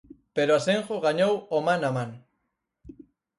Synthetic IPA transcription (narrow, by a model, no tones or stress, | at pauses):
peɾoaseŋʝoɣaɲowomanaman